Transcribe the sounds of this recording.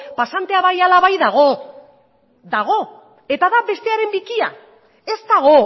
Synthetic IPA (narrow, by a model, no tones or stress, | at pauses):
pasant̪e̞aβajalaβajðaɣ̞o̞ | ðaɣ̞o̞ | e̞t̪aðaβe̞st̪e̞aɾe̞mbikia̰ | e̞zt̪aɣo̞